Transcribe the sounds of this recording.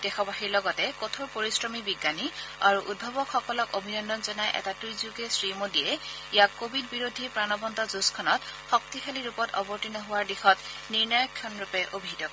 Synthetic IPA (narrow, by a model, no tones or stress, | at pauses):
d̥ɛxɔbaxiɹlɔɡɔtɛkotʰoɹpoɹisɹɔmibiɡːaniaɹuʔud̚bʱɔbɔkxɔkɔlɔkobʱinɔndɔnzɔnajʔɛ̰tatizuɡɛsɹimodijɛ | ijakobʱid̚biɹodʱipɹanɔbɔntɔzuskʰɔnɔtxɔk̚tixʰaliɹupɔtɔ̰bɔɹtinɔɦʊwaɹdixɔtniɹnɔjɔkʰːjɔnɹupɛʔobʱidɔk